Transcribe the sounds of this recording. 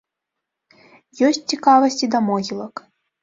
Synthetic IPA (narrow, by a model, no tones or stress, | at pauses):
jɔsʲtʲt͡sʲikavɐsʲtʲid̪ɐmɔɣʲilˠək